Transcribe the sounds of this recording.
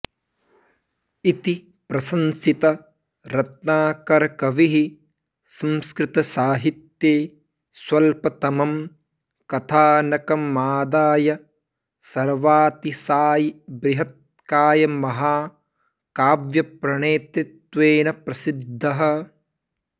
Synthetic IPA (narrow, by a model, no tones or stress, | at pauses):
it̪i | pɾɐsɐnsit̪ɐ | ɾɐt̪̚naːkɐɾɐkɐʋiɦi | sɐmskɾɪt̪ɐsaːɦit̪jeː | swɐlpɐt̪ɐmɐm | kɐt̪ʰaːnɐkɐmaːd̪aːjɐ | sɐɾʋaːt̪isaːjibɾɪɦɐt̪̚ | kaːjɐmɐɦaː | kaːʋjɐpɾɐɳeːt̪ɾit̪ʋeːnɐpɾɐsid̪ʱːɐɦɐ̆